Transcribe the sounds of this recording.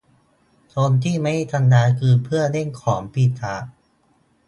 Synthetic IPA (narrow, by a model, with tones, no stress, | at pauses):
t͡ɕoː˧nt̪ʰiː˥˩ma˥˩˨t̪ʰa˧ndaː˧˦˥kʰɯː˧npʰɯ˥˩ɐne˥˩ŋkʰɔː˩˦mpi˨˩sʰa˨˩˦ʔ